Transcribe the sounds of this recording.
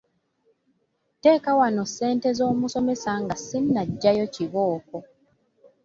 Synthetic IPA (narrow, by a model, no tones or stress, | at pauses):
te̞ːkawano̞sːe̞ːnte̞zo̞ːmuso̞me̞saŋɡasinːaɟːajo̞ciβoːko̞